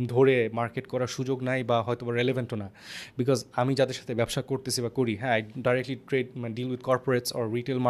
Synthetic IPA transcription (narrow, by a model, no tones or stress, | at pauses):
d̪ʱoɾemaɾkeʈkɔɾaɾʃud͡ʑoɡnajbaɦɔjt̪obaɾelevaɳʈonabikɔzamid͡ʑad̪eɾʃat̪ʰebɛbʃakoɾt̪esʰibakoɾiɦɛ̃ajɖajɾekʈliʈɾeɖ̚manɖilwid̪̚kɔɾpoɾeʈsɔɾːiʈelma